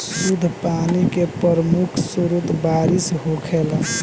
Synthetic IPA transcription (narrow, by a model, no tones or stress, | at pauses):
sud̪ʱpanikepɾəɾəmukʰsuɾut̪baɾisɦokʰel